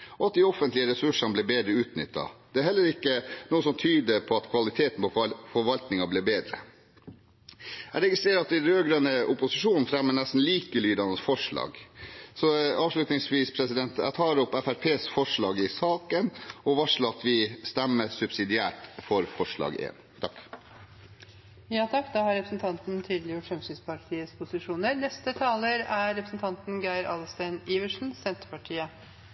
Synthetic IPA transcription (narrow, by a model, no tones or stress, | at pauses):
ɔɑt̪̚d̪ɪɔfənt̪lɪəɾɛsʉʂɑnəblɪːbeːd̪ɾəʉːt̪nʏ̰t̪ːɑ̰d̪̥ɛæɾhɛlːəɾɪkːənuːəsɔmt̪ʰyːd̪əpʰɔɑt̪kʰʋɑlɪt̪ʰeːt̪n̩pɔfɔɾʋɑlt̪nɪŋɑbliːbeːd̪ɾə̰ | æɪɾɛɡɪst̪ɾeːɾɑt̪̚d̪ɪɾøːɡɾønəʔʊpʊsɪʂuːnnfɾɛmːəɳnæst̪n̩liːkəlyːd̪ɑnəsfɔʂɭɑ̰ːɡsɔɑːʋʂɭʉt̪nɪŋsʋiːspʰɾɛsɪd̪ɛnt̪æ̰t̪ʰɑːɾɔpːɛfæɾpʰeːsfɔʂɭɑːɡɪsɑːkənɔʋɑʂləɑt̪ʋɪst̪ɛmːəsʉbsɪd̪ɪæːʈfɔɾfɔʂɭɑ̰ːɡḛːnt̪ʰɑkː | jɑːt̪ʰɑkːd̪ɑhɑɾɛpɾsnt̪ʰɑnt̪n̩t̪ʰiːd̪lɪjʊːʈfɾɛmsyːnspɑʈʰiːəspʰʊsɪʂuːnəɾnɛst̪ət̪ʰɑːləɾæɾɛpɾəsn̩t̪ʰɑnt̪n̩ɡæɪɾɑːlst̪æɪniːʋəʂn̩sɛnt̪əɾpɑʈʰiːə